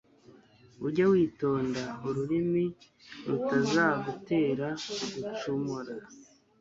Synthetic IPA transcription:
uɾɟowiːto̞ːndauɾuɾimi | ɾutazaːɡute̞ːɾaoɡut͡ʃomoɾa

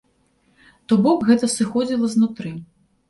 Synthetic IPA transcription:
t̪ɔbɔkɣɛt̪ɐsɨxɔd͡zʲilˠɐznut̪ɾɨ

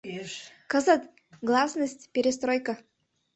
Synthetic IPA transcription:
kəzət̪ | ɡlˠasnəsʲtʲpʲɪɾʲɪs̬t̪ɾojkə

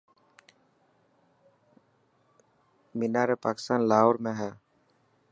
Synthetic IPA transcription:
mɪnaːɾepaːkɪ̥st̪aːnlaːoɾmẽːɦɛː

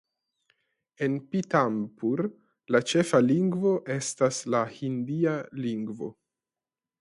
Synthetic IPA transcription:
e̞npitampuɾ | lat͡ʃe̞faliŋɡvo̞ʔe̞staslahindialiŋɡvo̞̰

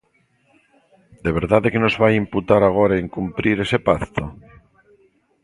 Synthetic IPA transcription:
d̪eβ̞e̞ɾðaðekenozβaimput̪aɾaɣ̞oɾaeŋkumpɾiɾe̞sepakt̪o

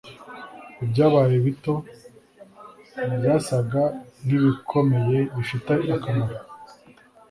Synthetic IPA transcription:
ibɟaːβajeβito̞ | bjaːsaɡaniβikʰo̞me̞je̞βiʃutaakamaɾa

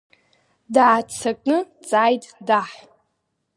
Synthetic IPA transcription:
daʕːt͡sʰakʼnɨ | t͡sʼaːjtʼdaħ

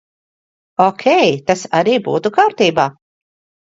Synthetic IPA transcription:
ɔkʲʰɛjt̪asaɾiːbṵːt̪ukaːɾt̪iːbaː

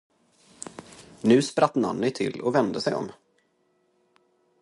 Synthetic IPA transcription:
nʉ̟ːspɾat̪ːna̰nːɪt̪ʰɪlːɔvɛnd̪əsɛjɔ̰m

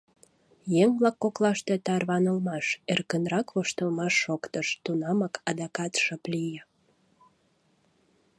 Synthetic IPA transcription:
jeŋblɑkːoklɑʃt̪et̪ɑrβɑnəlmɑʃerkənrɑkβoʃt̪əlmɑʃːokt̪əʃt̪unɑmɑkʰɑd̪ɑkɑt̪ʃəplijə

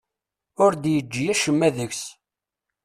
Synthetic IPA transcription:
ʊɾd̪jəd͡ʒːijæʃəmːæðəçs

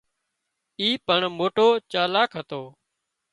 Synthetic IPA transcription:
iːpəɳmoːʈoːt͡ʃaːlaːkʰɦət̪oː

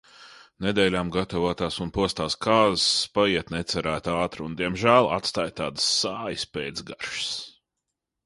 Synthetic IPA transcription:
ned̪ɛːlʲaːmɡat̪avuɔt̪aːsunpuɔst̪aːskaːzspaiɛt̪nɛt̪sæɾæːt̪aːt̪ɾund̪iɛmʒæːlˠa̰t̪st̪aːjt̪aːd̪sːaːjəspeːd̪sɡaɾʃs

